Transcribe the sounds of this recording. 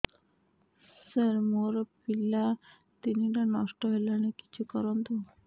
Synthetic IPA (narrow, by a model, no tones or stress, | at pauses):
səɾmoɾpilːa | t̪iniʈanɔsʈɔɦelaneki̥t͡ɕʰukɔɾɔnt̪o